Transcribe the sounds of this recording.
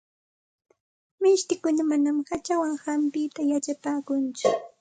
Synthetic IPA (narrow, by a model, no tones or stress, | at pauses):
mɪʃt̪ɪkʊnamanamhat͡ʃawaŋhampɪt̪ajat͡ʃapaːkʊnt͡ʃʊ